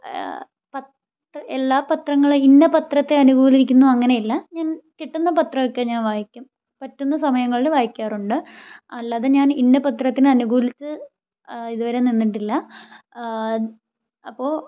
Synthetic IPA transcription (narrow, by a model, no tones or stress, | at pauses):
pɐt̪ | rɐelːaːpɐt̪rɐŋːɐɭinːɐpɐt̪rɐt̪ːeɐnuɡuːliikʲːunːuɐŋːɐne̞jilːɐɲaːnkiʈːunːɐpɐt̪rɐjokːeɲaːnʋaːjikʲːum | pɐtːunːɐsɐmɐjɐŋːɐɭilʋaːjikʲːaːruɳɖɨɐlːaːðeɲaːninːɐpɐt̪rɐt̪ːinɨɐnuɡuːlit͡ɕːɨ | iðuʋɐɾe̞ninːiʈːilːɐ | ɐpːo̞ːɭ